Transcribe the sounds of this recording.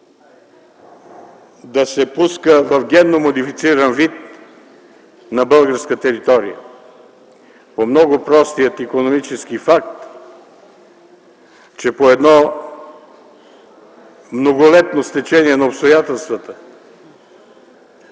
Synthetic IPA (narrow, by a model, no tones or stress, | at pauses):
d̪ɐsɛpuskəvɐfɡʲɛnːomod̪ifit̪siɾənvit̪̚ | nɐbəlˠɡəɾskət̪ɛɾit̪ɔɾḭjə̰ | pomnɔɡʊpɾɔst̪ijət̪ikonomit͡ʃɛsk̟ifak̚t̪ | t͡ʃɛpoɛd̪nɔ | mnoɡolɛt̪nost̪ɛt͡ʃɛniɛnɐopst̪ojat̪ɛlˠst̪vət̪ə